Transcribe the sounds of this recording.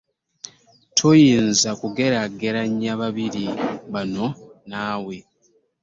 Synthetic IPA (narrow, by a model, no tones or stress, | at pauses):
tʰojiːnzakuɡe̞ɾaɡe̞ɾaɲːaβaβiɾiβano̞naːwe̞